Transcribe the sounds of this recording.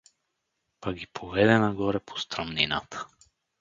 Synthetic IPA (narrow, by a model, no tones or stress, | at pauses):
paɡɡipʰovɛd̪ɛnaɡɔɾɛpʰo̥st̪ɾamnina̰t̪ʰə̥